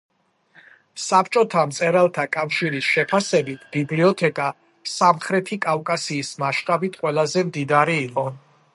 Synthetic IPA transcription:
sapʰt͡ʃʼɔt̪ʰamt̪sʼɛɾalˠt̪ʰakʼafʃiɾisʃɛpʰasɛbit̪ʰbibliɔt̪ʰɛkʼa | samχɾɛt̪ʰikʼafkʼasiːsmaʃt̪ʼabit̪ʰqʼwɛlˠazɛmd̪id̪aɾiːqʼɔ

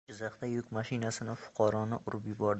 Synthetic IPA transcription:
ɪzɑχt̪ajʊkʲmaʃɪnasɪnɪfʊ̥qʰɑɾɒnɪʔʊɾʊpjɪbɒɾd̪

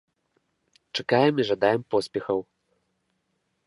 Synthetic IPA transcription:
t͡ʂakajɛmiʐad̪ajɛmpɔsʲpʲɛxɐw

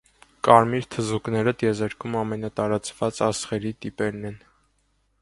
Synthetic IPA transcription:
kɑɾmiɾt̪ʰəzuknɛɾət̪jɛzɛɾkʰumɑmɛnɑt̪ɑɾɑt͡svɑt͡sɑsχɛɾit̪ipɛɾnɛn

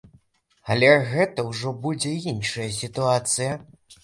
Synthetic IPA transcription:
ɐlʲɛɣɛt̪ɐwʐɔbud͡zʲɛinʂɐjɐs̬ʲit̪uat̪sɨjɐ

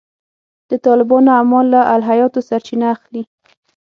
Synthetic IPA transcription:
d̪̥ət̪ɑlɪbɑnoamɑlːaʔalɦajɑt̪osaɾt͡ʃinaːxli

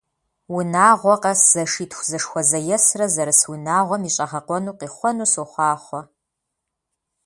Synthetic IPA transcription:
wʊnaːʁʷɔqɐsz̥ɐʂiːtʰxʷzɐʂxʷɔzɐjɛsrɐzɐɾɨswinaːʁʷɔmiːɕʼɐʁɐqʷɔnuːqiːχʷɔnuːsoχʷɑːχʷɔ

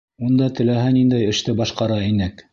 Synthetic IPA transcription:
und̪ɑt̪ɘ̆læɦænind̪æjɘ̆ʃt̪ɘbɑʃqɑɾɑinɘk

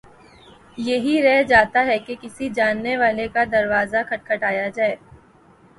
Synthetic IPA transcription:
jɐɦiɾɛɦd͡ʒaːt̪aɦɛkekɪsid͡ʒaːnːeʋaːlekad̪ɐɾʋaːzakʰɐʈ̚kʰɐʈaːjad͡ʒaːeː

